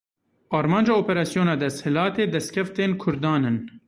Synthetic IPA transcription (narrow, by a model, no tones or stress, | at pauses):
ɑːɾmɑːnd͡ʒɑːoːpɛɾɑːsijoːnɑːd̪ɛst̪hɨlɑːt̪eːd̪ɛst̪̚kʰʲɛft̪eːnkʰʊɾd̪ɑːnɨn